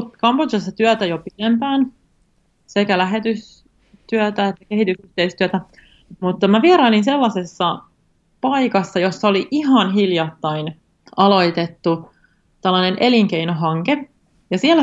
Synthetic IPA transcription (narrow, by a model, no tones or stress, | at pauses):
t̪kɑmbot͡ʃɑsːɑt̪yæt̪æjopit̪empæːn | sekælæɦe̞t̪ys | t̪yæt̪æet̪ːækeɦhit̪ysyht̪eist̪yæt̪æ | mut̪ːɑmæʋieɾɑilinselːɑsesːɑ | pɑikɑsːɑjosːɑoliʔiɦɑnɦiljɑt̪ːɑin | ɑlo̞it̪et̪ːu | t̪ɑlːɑnenʔeliŋkeinoɦɑŋke | jɑsiælːæ